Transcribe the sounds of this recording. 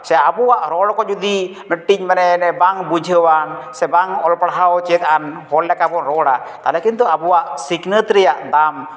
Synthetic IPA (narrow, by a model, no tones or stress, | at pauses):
sɛabuwaʔɾɔɽkɔd͡ʒud̪i | nəʈːiɲmanɛnɛbaŋbud͡ʒʱəwansɛbaŋɔlpɽaɦawt͡ʃɛt̪anɦɔllɛkabɔɾɔɽa̰t̪alɛkint̪ɔabuwaʔsiknət̪ɾɛjaʔd̪am